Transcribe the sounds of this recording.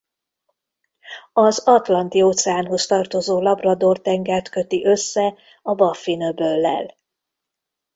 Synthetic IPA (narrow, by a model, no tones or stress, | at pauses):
ɒzɒt̪lɒnt̪ioːt̪sɛaːnɦo̞st̪ɒrt̪o̞zoːlɒbrɒd̪o̞rt̪ɛŋɡaːrt̪kø̞t̪iʔø̞sːɛ | ɒbɒfːinøbølːɛ̰l